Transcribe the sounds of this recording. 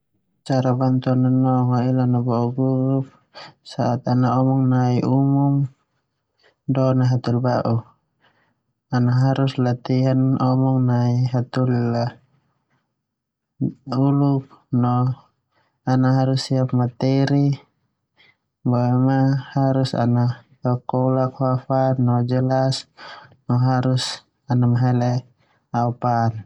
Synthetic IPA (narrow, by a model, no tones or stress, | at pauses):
t͡ʃaɾabant̪ɔnanɔŋailanabauɡuɾup̚ | saat̪anaɔmɔŋnaiʔumum | dɔnaɦat̪ulbaʔu | anaɦaɾuslat̪iɦanɔmɔŋnaiɦat̪ula | uluk̚nɔ | anaɦaɾusːiapmat̪ɛɾi | bɔɛmahaɾusa̰na | akɔlakwafanɔd͡ʒəlasnɔɦaɾus | anamaɦɛlɛ | aupan